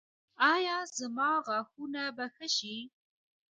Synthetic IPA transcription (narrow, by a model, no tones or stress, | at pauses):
ɑjɑzamɑɣaxunabaxəʃi